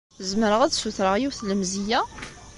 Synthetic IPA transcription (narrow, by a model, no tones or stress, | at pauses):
zəmɾəʁæd̪suθɾəʁjiwθləmzijæ